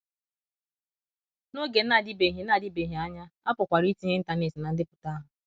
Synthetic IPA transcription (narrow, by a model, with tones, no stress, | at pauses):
no˦ɡe˨n̩˦a˨dɪ˦be˨ɦe˨n˦a˦˨dɪ˦be˨ɦi˨a˦ɲa˦a˦pʊ˨kʷa˨ɾi˦ti˦ɦe˦n̩˦ta˨ne˦˨si˨na˨n̩˦dɪ˦pʊ̥˨ta˦ɦʊ˨